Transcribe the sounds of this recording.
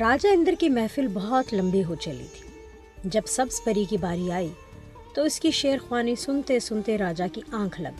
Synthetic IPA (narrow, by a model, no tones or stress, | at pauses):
ɾaːd͡ʒaɪ̃nd̪əɾkimɛːfɪlbɐɦɔt̪lɐ̃mbiɦot͡ʃɐlḭt̪ʰi̥ | d͡ʒɐbsɐbspɐɾikibaːɾiaːi | t̪oɪskiʃeːəɾxwaːnisʊnt̪esʊnt̪eɾaːd͡ʒakiãːkʰlɐ̰ɡ